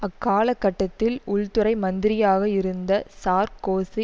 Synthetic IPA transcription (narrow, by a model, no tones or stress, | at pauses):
ɐkːaːlɐkːɐʈːɐt̪ːɪlʊɭt̪ɯɾɐɪmɐnd̪ɪɾɪjaːɣɐɪɾɯnd̪ɐsaːɾkoːsi